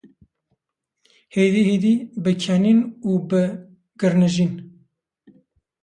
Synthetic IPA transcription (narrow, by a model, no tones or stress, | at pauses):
heːd̪iheːd̪iːbɨkʰɛninuːbɨ | ɡ̥ɨɾnɨʒiːn